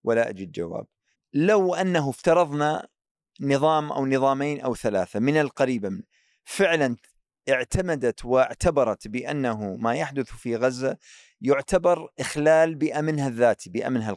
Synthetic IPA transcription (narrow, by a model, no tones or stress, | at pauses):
wʔalaʔa̰d͡ʒɪd̪d͡ʒa̰wa̰ːb̚ | lawʔanːaɦʊft̪ɑɾˤɑðˤna | nɨðˤɑːmʔa̰wnɨðˤɑːmeːnʔa̰wθalaːθamɪnalqɑɾiːbam | fɪʕlan | ʔʔɪʕt̪amad̪at̪wɪʕt̪abɑɾˤɑt̪bɪʔa̰nːaɦʊmajaħd̪ʊθfiɣazːa | jʊʕt̪abɑɾˤʔɪxlaːlbɪʔamɪnɦaðːaːt̪ibɪʔa̰mɪnɦal